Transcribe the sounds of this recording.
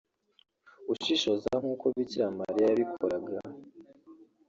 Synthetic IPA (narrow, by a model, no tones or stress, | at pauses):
uʃiʃo̞za̰ŋ̥uːkoβiciɾama̰ɾijaβikʰoɾaɡa